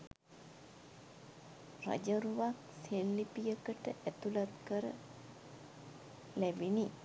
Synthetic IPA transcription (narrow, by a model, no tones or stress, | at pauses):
ra̰d͡ʒəɾuʋak̚ | selːipijəkəʈəʔæt̪ulat̪kəɾə̰ | læbini